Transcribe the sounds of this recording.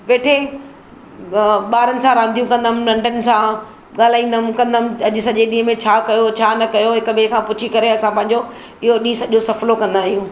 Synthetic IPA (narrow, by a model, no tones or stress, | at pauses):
ʋeːʈʰe | ɓaːɾənɪ̆sãɾãːnd̪ijũkɐ̃nd̪əmlɐ̃ɳɖənɪ̆sã | ɠaːl̤aːĩːn̆d̪əmkɐ̃nd̪əmɪɐʄʊ̆sɐʄeɗĩːɦə̃mẽt͡ɕʰaːkɐjot͡ɕʰaːnɐkɐjoɦɪkʊmẽːkʰãːpʊt͡ɕʰikɐɾeɐsãpɐ̃ɦɪ̃ɲ̆d͡ʑo | ɪɦoɗĩːsɐʄosɐflokɐ̃nd̪aːɦijũː